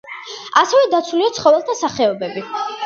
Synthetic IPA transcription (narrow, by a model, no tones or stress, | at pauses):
asɛvɛd̪at̪sʰuliat̪sʰχɔvɛlˠt̪ʰasaχɛɔbɛbi